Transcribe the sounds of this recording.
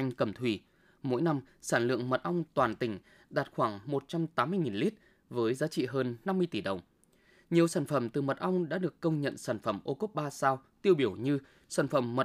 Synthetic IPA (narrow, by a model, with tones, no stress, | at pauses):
jŋkə˨˧˩mt̪ʰwi˧˩ | mo̰˧˥jna˧msaː˧˩nlɨ̰˧˨əŋmə˨˩t̚ʔə˧wŋ͡mt̪waː˨˩nt̪ï˧˩ŋ̟ | ɗaː˨˩t̚xwaː˧˩ŋmo˨˩t̚t͡ɕa˧mt̪aː˨˦mɨ˧əjŋi˨˩nli˦˥t̚ | vəː˨˦jzaː˨˦t͡ɕḭ˧˨ɦəː˧nːa˧mːɨ˧əjt̪i˧˩ɗə˨˩wŋ͡m | ɲi˨˩əwsaː˧˩nfə˧˩mt̪ɨ˨˩mə˨˩t̚ʔa˧wŋ͡mɗa̰ː˧˥ɗɨ˨˩əkːə˧wŋ͡mɲə̰˧˨nsaː˧˩nfə˧˩mʔo˧ku˦˥p̚ɓaː˧saː˧wt̪i˧əwɓi˧˩əwɲɨ˧ | saː˧˩nfə˧˩mːə˨˩